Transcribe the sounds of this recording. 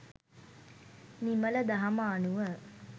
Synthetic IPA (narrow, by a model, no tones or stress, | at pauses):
nimələd̪aɦɐməːnuʋə